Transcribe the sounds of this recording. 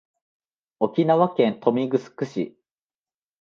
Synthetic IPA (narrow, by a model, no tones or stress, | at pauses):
o̞kʲinaβakẽ̞nt̪ʰo̞mʲiɡɯ̟sɨ̥kɯ̟ɕḭ